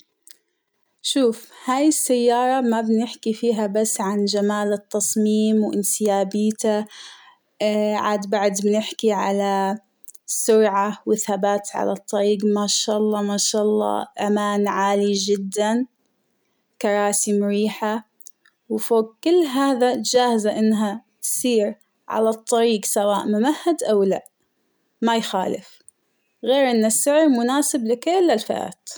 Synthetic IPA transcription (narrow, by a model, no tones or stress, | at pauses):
ʃuːfhaːjɪsːajːɑːɾˤɑmabnɪħkifiːɦabasːʕand͡ʒamaːlɨt̪ːɑsˤmiːmwʔɪnsɪjaːbiːt̪a | ʕa̰ːd̪baʕd̪bɪnɪħkiʕa̰la | sʊɾʕawɪθhabaːt̪ʕa̰la̰t̪ˤːɑɾiːɡmaʃaːʔɑlˤːɑːmaːʃaːʔɑlˤːɑ̰ːʔamaːnʕaːlid͡ʒɪd̪ːan | kɑɾˤɑːsimʊɾiːħa | wfoːɡ̚kɪlːɦaːðad͡ʒaːhzaʔɪnːɦat̪siːɾ | ʕa̰lat̪ˤːɑɾiːɡsawaːʔmʊmahːad̪ʔawla̰ʔ | majxa̰ːlɪ̰f | ɣeːɾʔɪnːasːɪʕɾmʊnaːsɪblɪkeːlɪlfa̰ɾa̰ːt̪